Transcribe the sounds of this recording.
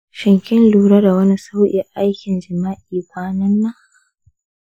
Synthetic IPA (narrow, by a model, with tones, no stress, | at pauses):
ʃɪ˨ŋkʲɪ˦nluː˨ɽɐ˦da˨wɐ˦ni˦sa˦wʔḭ˨ʔa˦jkʲɪ˨nd͡ʒɪ˨maː˦ʔiː˨baː˦nɐ˦nːa˦